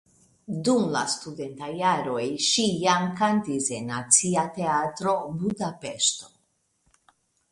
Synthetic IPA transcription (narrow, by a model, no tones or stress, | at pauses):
dumla̰stude̞ntajaɾo̞jʃijamkantise̞nːat͡siate̞atɾo̞budape̞ʃto̞̥